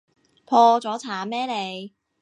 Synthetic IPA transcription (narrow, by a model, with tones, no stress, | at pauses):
pʰɔː˧t͡sɔː˨˥t͡sʰaː˨˥mɛː˥le˨˧˥j